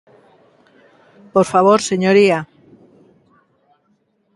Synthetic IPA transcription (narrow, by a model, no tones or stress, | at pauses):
poɾfaβ̞oɾseɲoɾia